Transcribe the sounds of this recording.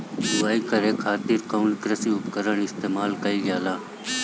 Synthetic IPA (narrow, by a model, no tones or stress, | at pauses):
d̪ʊaːiːkəɾeːkʰaːt̪iɾkoːnkɾəsiːʊpkəɾəɳ̃ɪst̪eːmaːlkəiːɡjaːlaː